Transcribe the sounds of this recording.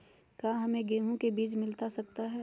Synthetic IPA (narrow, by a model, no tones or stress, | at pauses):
kaːɦɐmẽɡeːɦõkebiːt͡ʃmɪlt̪asɐkt̪aɦɛː